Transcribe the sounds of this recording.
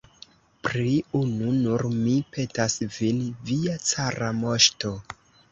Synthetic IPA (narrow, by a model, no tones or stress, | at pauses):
pɾiununuɾmipe̞tasvinviat͡saɾamo̞ʃto̞